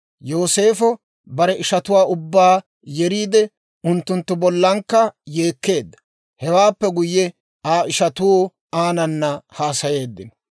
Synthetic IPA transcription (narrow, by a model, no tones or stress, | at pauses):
joːse̞ːfɔ | bɐɾɛʔɪʃɐt̪ʊwaːʊbːaː | jɛɾiːd̪ɛ | ʊnt̪ːʊnt̪ːʊbɔlːɐŋkːɐje̞ːkːe̞ːd̪ːɐ̥ | hɛwaːpːɛɡʊjːɛ | aːɪʃɐt̪u | aːnɐnːɐhaːsɐje̞ːd̪ːɪnɔ